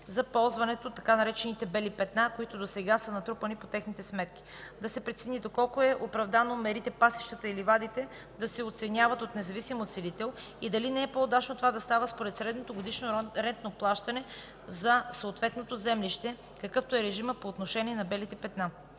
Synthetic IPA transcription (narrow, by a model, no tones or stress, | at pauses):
zɐpɔlˠzvɐnɛt̪ot̪ːɐkanɐɾɛt͡ʃɛnit̪ɛbɛlipɛt̪nakoit̪od̪osɛɡasənɐt̪ɾupɐnipot̪ɛxnit̪ɛsmɛt̪ki̥d̪ɐsɛpɾɛt̪sinid̪okɔlˠkoɛʔopɾɐvd̪anomɛɾit̪ɛpasi̥ʃt̪ət̪əilivad̪it̪ɛ | d̪ɐsɛot̪sɛnʲjavɐt̪ot̪nɛzɐvisimot̪sɛlit̪ɛlˠ | id̪ɐlinɛɛpood̪at͡ʃnot̪ovad̪ɐst̪avəspoɾɛt̪sɾɛd̪not̪oɡod̪iʃnoɾɛnt̪noplˠaʃt̪ɐnɛ | zɐsoːt̪vɛt̪not̪ozɛmliʃt̪ɛ | kɐkɤft̪oɛɾɛʒiməpoːt̪noʃɛniɛnɐbɛlit̪ɛpɛt̪na